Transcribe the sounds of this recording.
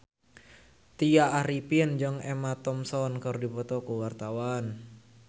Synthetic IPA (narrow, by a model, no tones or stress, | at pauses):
t̪ijaːɾipind͡ʒəŋemat̪ɔmsɔnkərdipɔt̪ɔkuwart̪awan